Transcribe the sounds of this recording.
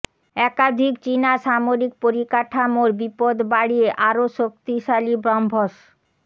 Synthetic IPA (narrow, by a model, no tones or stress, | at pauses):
ɛkad̪ʱikt͡ɕinaʃamoɾik̚poɾikaʈʰamoɾbipod̪baɽieʔaɾoʃok̚t̪iʃalibɾɔmbʱoʃ